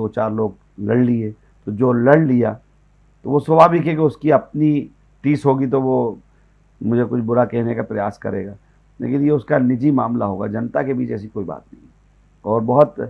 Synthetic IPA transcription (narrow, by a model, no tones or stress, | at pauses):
oːt͡ʃaːɾloːɡ̚ | lɐɽlie | t̪od͡ʒoːlɐɽlija̰ | t̪oʋosʊbaːbʱikek̬eʊskiɐp̚ni | ʈiːsɦoːɡit̪̬oʋo | mʊd͡ʒʱekʊt͡ʃʰbʊɾakɛɦnekapɾɐjaːskɐ̰ɾḛːɡaː | lḛːkɪnjeʊskanɪd͡ʒimaːmla̰ɦo̰ːɡa̰d͡ʒɐnt̪akebiːt͡ʃɛːs̬ikoːiba̰ːt̪̚nɐɦĩ | ɔːɾbɐɦʊt̪